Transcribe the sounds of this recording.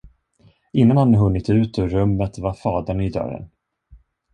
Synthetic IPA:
ɪnːanhanːəɦɵnːɪt̪ʉ̟ːt̪ɔɾɵmːət̪vaɾfɑːd̪əɳɪd̪œ̰ɾə̰n

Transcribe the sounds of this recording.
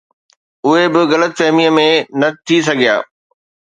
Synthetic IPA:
ʊɦebɪɣɐlət̪fɛɦmiəmẽnɐt̪ʰis̬ɐɡʱija̰ː

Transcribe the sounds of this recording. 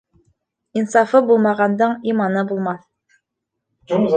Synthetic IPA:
insɑfɤbulˠmɑʁɑnd̪ɤɴimɑnɤbulˠmɑθ

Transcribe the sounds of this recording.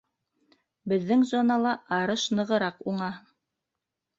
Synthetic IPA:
bɘ̆ðːɘŋzonɑlˠɑʔɑɾɤʃnɤ̆ʁɤ̆ɾɑquɴɑ

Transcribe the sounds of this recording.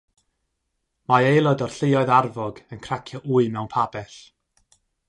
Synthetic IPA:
maejlˠɔdɔr̥ɬɪɔɨðarvɔɡənkʰrakʰjɔʔuːɨmɛwnpʰabɛθ

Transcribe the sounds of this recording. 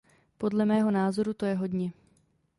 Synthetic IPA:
po̞dlɛmɛːɦo̞naːzo̞ɾut̪o̞jɛɦo̞dɲɛ

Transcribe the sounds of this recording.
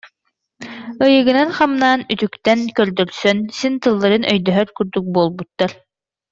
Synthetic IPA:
ɯjɯɡɯnanχamnaːnyt̪ykt̪ɛnkœɾd̪œɾsœnsint̪ɯlˠːaɾɯnʔœjd̪œɦœɾkyɾd̪yk̚buɔlˠbut̪ːaɾ

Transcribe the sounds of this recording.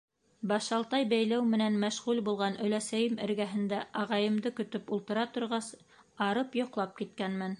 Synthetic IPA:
bɑʃɑlˠt̪ɑjbæjlæwmɘ̆nænmæʃʁʉlbulˠʁɑnɵ̆læsæjɘmɘ̆ɾɡæɦɘ̆nd̪æʔɑʁɑjɤ̆md̪ɤkɵ̆t̪ɵpulˠt̪ɤ̆ɾɑt̪ŏɾʁɑs | ɑɾɤpjŏqlˠɑp̚kit̪̚kænmæn

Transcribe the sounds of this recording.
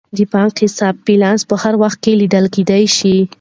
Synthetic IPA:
d̪əbɑŋkhɪsɑb̚ilɑnspəhaɾwaxt̪̚kelid̪əlked̪ajʃi

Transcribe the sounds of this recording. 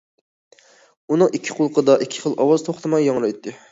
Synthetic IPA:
unɨŋikʲʰːɪ̥qʰolˠqʰəd̪ɑʔikʲʰːɪ̥χəlˠʔɑwɑzt̪ʰoχt̪ʰɨmɑjːɑŋɾˠɑjt̪ʰːɨ

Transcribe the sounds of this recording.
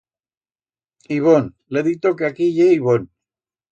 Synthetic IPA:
iβon | leðit̪okeakiʎeiβon

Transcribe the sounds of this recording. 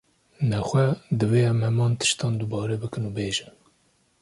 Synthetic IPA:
nɛxʷɛd̪ɨveːɛmhɛmɑːnt̪ʰɨ̥ʃt̪ɑːnd̪ubɑːɾɛbɨkɨnuːbeːʒɨn

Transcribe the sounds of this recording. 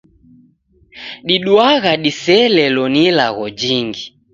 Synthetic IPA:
ɗiɗwaɣaɗisɛlɛlɔnilaɣɔd͡ʒiŋɡi

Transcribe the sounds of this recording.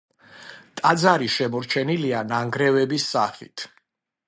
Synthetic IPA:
t̪ʼad̪zaɾiʃɛmɔɾt͡ʃʰɛnilianaŋɡɾɛvɛbisːa̰χḭt̪ʰ

